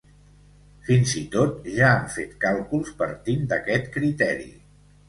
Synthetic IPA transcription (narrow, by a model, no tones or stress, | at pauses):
finzit̪ot̪ʒaːɱfet̪kalˠkulˠspəɾt̪ind̪əkɛt̪kɾit̪ɛɾḭ